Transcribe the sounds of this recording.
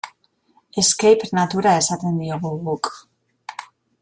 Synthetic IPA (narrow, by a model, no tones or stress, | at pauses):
eskejpɾnat̪uɾaesat̪end̪ioɣuɣuk